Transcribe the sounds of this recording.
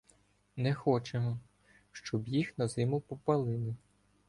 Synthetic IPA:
nɛxɔt͡ʃeɦɔ | ʃt͡ʃɔbjixnɐzɪmʊpɔpɐlˠɪlˠɪ

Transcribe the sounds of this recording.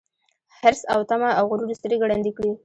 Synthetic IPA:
hɪɾsawt̪amaawɣʊɾuɾst̪əɾeɡɽand̪ikɽi

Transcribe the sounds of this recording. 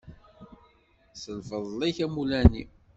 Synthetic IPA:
səlfəðˤliçæmulænḭ

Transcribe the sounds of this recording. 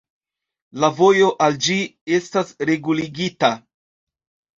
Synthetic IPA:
lavo̞jo̞ʔald͡ʒie̞stasɾe̞ɡuliɡita

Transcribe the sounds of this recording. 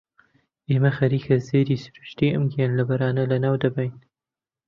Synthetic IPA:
ʔeːmɐxɐɾiːkʰɐzeːɾiːsɨ̥ɾu̥ʃt̪iːʔɨ̰mɡenlɐbɐɾaːnɐlɐnaːwd̪ɐbɐjn

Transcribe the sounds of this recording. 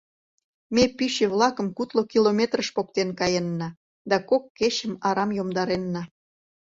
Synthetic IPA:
mepyɕeβlɑkə̆mkut̪lokilomʲet̪rəʃpok̚t̪enkɑjenːɑ | d̪ɑkokːet͡ɕə̆mɑɾɑmjomd̪ɑɾenːɑ

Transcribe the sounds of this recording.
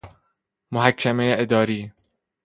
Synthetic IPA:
moɦækʰːæmejeʔed̪ɒːɾiː

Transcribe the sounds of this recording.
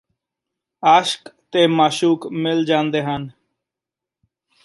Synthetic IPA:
aːʃkt̪eːmaːʃuːkmɪld͡ʒãːnd̪eːɦən

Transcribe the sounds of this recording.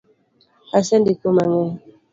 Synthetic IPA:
asɛndikomaŋɛ

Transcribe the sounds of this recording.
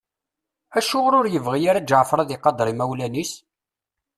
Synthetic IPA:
æʃʊʁɾʊɾjəvʁijaɾæd͡ʒʕəfɾˤɑðɪqɑd̪ɾˤimæwlænis

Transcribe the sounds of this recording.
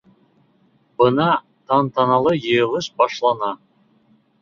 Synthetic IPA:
bə̆nɑ | t̪ʰɑnt̪ɑnɑlˠəjɤjʁəʃbɑʃlˠɑnɑ

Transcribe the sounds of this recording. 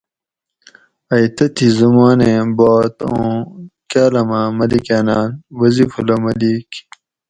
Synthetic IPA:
ɐjt̪ɐt̪ʰizumaːnẽbaːt̪õkaːlɐmãːmɐlikaːnaːnwɐzifulomɐliːk

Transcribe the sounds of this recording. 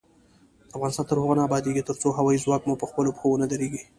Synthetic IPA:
d̪̥əafɣɑnɪst̪ɑnt̪əɾhoɣanaːbɑd̪eɡit̪əɾt͡soɦawɑizwɑkmopəxpəlopəxowonad̪aɾeɡi

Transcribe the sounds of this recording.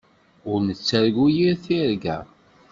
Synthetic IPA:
ʊɾnət͡sːæɾɡujiɾθiɾɡæ̰

